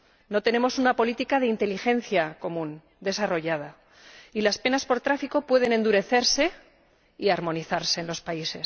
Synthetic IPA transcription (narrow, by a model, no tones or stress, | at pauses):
no̞t̪ene̞mo̞sunapo̞lit̪ikaðeint̪e̞lixe̞n̟θjako̞mũn | d̪e̞saro̞ʝað̞a | ilaspe̞naspo̞ɾt̪ɾafiko̞pwe̞ð̞e̞ne̞nd̪uɾe̞θe̞ɾse̞ | iaɾmo̞niθaɾse̞ːnlospaise̞s